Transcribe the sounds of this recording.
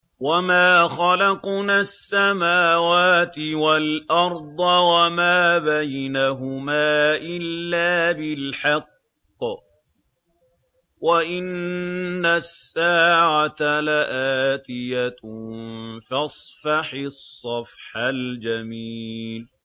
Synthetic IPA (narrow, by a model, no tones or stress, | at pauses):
wamaːxɑlɑqnasːamaːwaːt̪ɪwalʔɑɾˤd̪ˤɑwamaːbajnaɦʊmaːʔɪlːaːbɪlħɑqː | waʔɪnː | asːaːʕat̪alaʔaːt̪ɪja | fɑsˤfɑħɪsˤːɑfħald͡ʒamiːl